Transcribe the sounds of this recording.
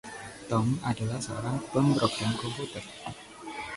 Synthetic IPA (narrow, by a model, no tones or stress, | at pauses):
t̪ɔmadalahsəo̰ɾaŋpəmpɾoɡɾamkɔmput̪ər